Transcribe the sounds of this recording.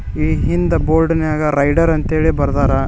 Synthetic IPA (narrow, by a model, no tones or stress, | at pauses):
iːɦind̪ɐboːɾɖɐneaːɡɐɾɐjɖɐɾɐnt̪eːɭibɐɾd̪aːɾɐ